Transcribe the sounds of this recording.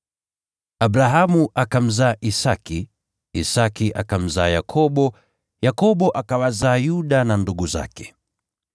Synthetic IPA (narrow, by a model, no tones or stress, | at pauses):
abɾaɦamuʔakam̩zaːʔisaki | isakiʔakam̩zaːjakʰɔɓɔ | jakɔɓɔʔakawazaːjuɗananduɡuza̰kɛ̥